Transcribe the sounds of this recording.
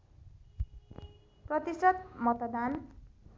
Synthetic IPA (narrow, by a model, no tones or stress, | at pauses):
prʌt̪isrʌt̪̚mʌt̪d̪an